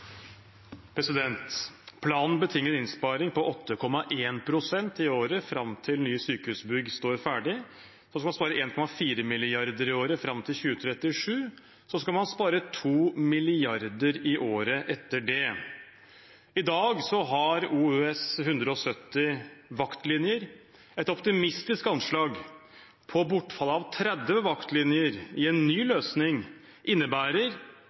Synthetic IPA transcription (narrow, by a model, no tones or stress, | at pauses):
pʰɾɛsɪd̪ɛnt̪pʰlɑːnn̩bət̪ʰɪŋːəɾɪnspɑːɾɪŋpɔʔɔt̪ʰːəkʰɔmɑʔeːnpʰɾʊsɛnt̪ɪoːɾəfɾɑmt̪ʰɪlnyːsyːkəʉːsbʏɡst̪oːɾfæːɖɪ | sɔskɑlmɑnspɑːɾəʔeːnkʰɔmɑfiːɾəmɪlɪɑɾd̪əɾɪoːɾəfɾɑmt̪ʰɪlçʉːət̪ʰɾɛt̪ːɪʂʉː | sɔskɑlmɑnspɑːɾət̪ʰuːmɪlɪɑɾd̪əɾɪʔoːɾəʔɛt̪ːəɖɛ | ɪd̪ɑːɡsɔɦɑɾuːʉːɛshʉnd̪ɾəɔsœt̪ːɪʋɑkt̪lɪnjəɾ | ɛt̪ɔpt̪ɪmɪst̪ɪskɑnʂɭɑːɡ | pʰɔbʊʈːfɑlːəɑʋt̪ʰɾɛd̪ʋəʋɑkt̪lɪnjəɾɪɛnːyːløːsnɪŋ | ʔɪnːəbæːɾəɾ